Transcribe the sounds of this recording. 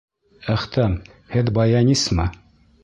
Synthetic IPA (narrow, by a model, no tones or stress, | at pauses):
æχt̪æm | hɘðbɑjɑnismɤ